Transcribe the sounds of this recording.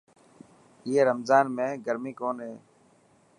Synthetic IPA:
ɪɦeːɾəmzaːnmẽːɡəɾmiːkoːnɦeː

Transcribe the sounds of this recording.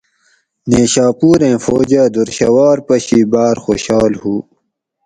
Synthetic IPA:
neːɕaːpuːɾẽːfoːd͡ʑaːd̪uɾɕɐwaːɾpɐɕiːbaːɾxoːɕaːlhuː

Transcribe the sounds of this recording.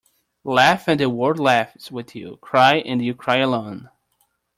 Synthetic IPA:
læfɨ̃nɨwɔɹdˡlæfswɪðjʉ̰kʰɹ̥aɪʔɨ̃njɨkʰɹ̥aɪəlõʊ̃n

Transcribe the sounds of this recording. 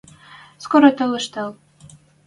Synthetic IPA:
skoɾot̪ɤ̆lɤ̆ʃt̪ɤ̆l

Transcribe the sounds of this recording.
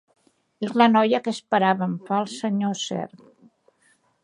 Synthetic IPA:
ezlənɔjəkəspəɾaβəɱfalˠsəɲosɛ̰ɾt̪

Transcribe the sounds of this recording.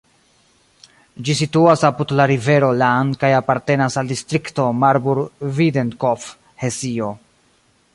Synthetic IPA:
d͡ʒisituasapudlaɾive̞ɾo̞lankajapaɾte̞nasaldistɾikto̞maɾbuɾvidenkof | hesio

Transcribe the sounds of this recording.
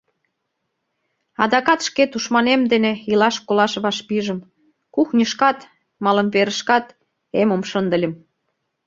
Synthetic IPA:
ɑd̪ɑkɑt̪ʃket̪uʃmɑnemd̪eneilɑʃkolɑʃβɑʃpiʒə̆m | kuxnʲəʃkɑt̪ | mɑlə̆mβeɾəʃkɑt̪ | emomʃənd̪ə̆lʲə̆m

